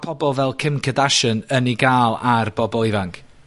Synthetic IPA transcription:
pʰɔbɔlˠvɛlˠkʰɪmkʰədaʃənəniɡaːlˠarb̥ɔbɔlˠɪvaŋkʰ

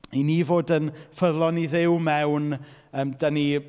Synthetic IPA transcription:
iniːvoːdənfəðlˠɔniðɪwmɛwnəːmdəni

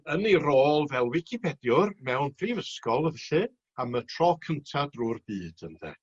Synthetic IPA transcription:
əniroːlˠvɛlˠwɪkʰipʰɛdjʊrmɛwnpʰrivəskɔlˠəvɛɬɨ | amətʰr̥ɔkʰəntʰadruːrbɨːd̥ənðɛ̰

